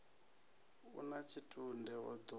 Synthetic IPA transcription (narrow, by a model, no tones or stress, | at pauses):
ṵnat͡ʃʰitʰundɛwɔd̪ɔ